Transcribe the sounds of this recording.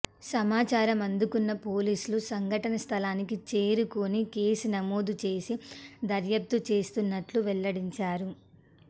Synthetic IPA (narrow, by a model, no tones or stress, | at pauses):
sɐmaːt͡ʃaːɾɐmɐnd̪ukunːɐpo̞ːliːsulusɐŋɡʱɐʈɐnɐst̪ʰɐlaːnikit͡ʃe̞ːɾukonikeːsunɐmoːd̪ut͡ʃe̞ːsid̪ɐɾjɐp̚t̪ut͡ʃe̞ːst̪unːɐʈluʋɛlːɐɽiɲt͡ʃaːɾu